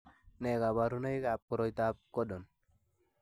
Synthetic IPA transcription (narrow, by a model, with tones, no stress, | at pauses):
ne˨ka˨ba˨ɾu˦na˦jka˨p̚kɔ˨ɾɔ˦jt̪a˦p̚kɔ˦dɔ˨n